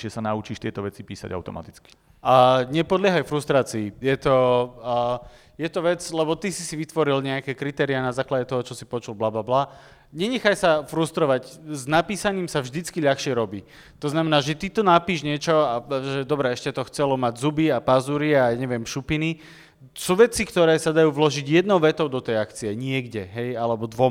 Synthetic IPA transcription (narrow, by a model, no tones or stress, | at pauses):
ɛsanaut͡ʃiːʃt̪ɪɛt̪ɔʋɛt͡sipiːsa̰ɟa̰ʊt̪ɔ̰ma̰t̪i̥t͡ski̥ | aɲɛpɔd̪lɪaɦajfɾust̪ɾaːt͡siːjɛt̪ɔ | jɛt̪ɔʋɛd͡zlɛbɔt̪isi̥siʋit̪ʋɔɾilɲɛakɛːkɾit̪ɛːɾianazaːklaɟɛt̪ɔɦɔt͡ʃɔsipɔt͡ʃulblablabla | ɲɛɲɛxajsafɾust̪ɾɔʋaɟznapiːsaɲiːmsavʒd̪it͡skiʎaxʃɪɛɾɔbḭː | t̪ɔznamɛnaːʒɛt̪it̪ɔnapiːʒɲɪɛt͡ʃɔaʒɛd̪ɔbɾɛɛʃcɛt̪ɔxt͡sɛlɔmaɟzubiapazuɾiajaɲɛʋɪɛmʃupini | suːʋɛt͡sikt̪ɔɾɛːsad̪ajuːʋlɔʒiɟjɛd̪nɔʊʋɛt̪ɔʊd̪ɔt̪ɛjakt͡siɛɲɪɛɡɟɛɦɛjalɛbɔd̪ʋɔm